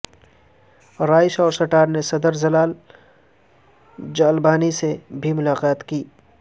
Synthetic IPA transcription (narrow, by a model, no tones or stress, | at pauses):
ɾaːɪʃɔːɾsɐʈaːɾnesɐd̪əɾzɐlaːl | d͡ʒaːlbaːnisebʱimʊlaːqaːt̪kiː